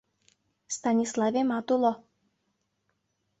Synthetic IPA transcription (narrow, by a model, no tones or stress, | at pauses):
fst̪anʲislˠavʲɛmat̪ulˠɔ